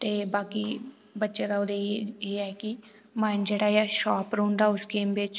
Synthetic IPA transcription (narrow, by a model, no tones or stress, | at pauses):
t̪eːbaːkiː | bətːʃeːd̪aoːd̪eeːɛːkɪ | maɪnd͡ʒeːɽaːjaːʃaːpɾõːnd̪aːʊskeːmbɪt͡ʃ